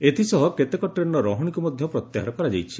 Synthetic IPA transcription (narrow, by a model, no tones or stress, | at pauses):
et̪ʰisɔɦɔket̪ekɔʈɾenːɔɾɔɦɔɽ̃ikumɔd̪ʱjɔpɾɔt̪jaɦa̰ɾɔkɔɾad͡ʒajt͡ʃʰi̥